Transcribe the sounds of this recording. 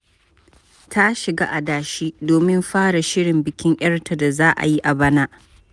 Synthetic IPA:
tʰa˦ʃɪ˨ɡa̰ː˦ʔa˨daː˨ʃiː˦doː˨mɪ˦mɸaː˦ɽa˨ʃɪ˦ɽɪ˨mbɪ˨kʲɪ˦ŋʔɐ˦rtʰa˨da˨zaː˦ʔa̰˨ji˦ʔa˨bɐ˦naː˦ʔ

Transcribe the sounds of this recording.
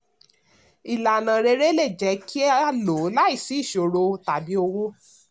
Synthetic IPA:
i˨la˨nã˨ɾe˧˦ɾe˦le˦˨d͡ʒɛ˨˦kʰi˦a˦lo˨˦la˦i˦˨si˨˦i˦˨ʃo˨ɾo˧ta˨bi˨˦o˧wo˦

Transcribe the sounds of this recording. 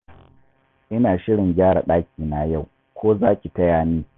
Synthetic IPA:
ʔɪ˦naː˨ʃɪ˦ɽɪ˨ŋɡʲaː˦ɽa̰˨ɗaː˦kʲiː˨na˨ja˦˨w | kʷoː˦zaː˦kʲi˨tɐ˦jaː˨niː˦

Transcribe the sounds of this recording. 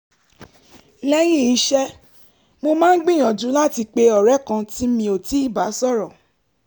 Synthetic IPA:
lɛ˦jĩ˦˨i˨˧˦ʃɛ˦ | mo˧mãː˦n̩˦ɡ͡bĩ˦˨j̃ã˨d͡ʒũ˨˦la˦˨ti˧k͡pe˧ɔ˨ɾɛ˨˦kã˧ti˦mĩ˧o˨ti˨˦i˦˨ba˨˦sɔ˦˨ɾɔ˨

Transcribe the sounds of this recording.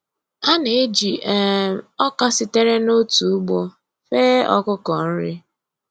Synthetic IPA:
a˦ne˨e˦d͡ʒi˨ɛ˦˨ɔ˦ka˦sɪ˨te˦ɾe˦no˦tu˨u˦ɡ͡bɔ˦ | feː˦ɔ̰˦kʊ˦kɔ˨n̩˦ɾɪ˦

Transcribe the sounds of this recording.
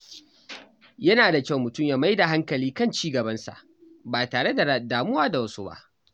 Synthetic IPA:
jɐ˦naː˨da˨kʲa˦˨wmʊ˨tʊ˦˨mja˦ma˦jda˨ɦa˦ŋkɐ˨liː˦kɐ˦˨nt͡ʃiː˦ɡɐ˨bɐ˦nsa̰˨ʔ | baː˨taː˨ɽe˦da˨daː˨mʊ˦waː˦da˨wɐ˦su˦ba̰˦ʔ

